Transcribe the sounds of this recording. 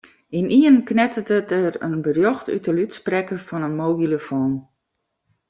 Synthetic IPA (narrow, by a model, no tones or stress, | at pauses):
inʔiənknɛtətətərə̰nbərjoxty̰təlytsprɛkərfɔnənmoːbiləfoːn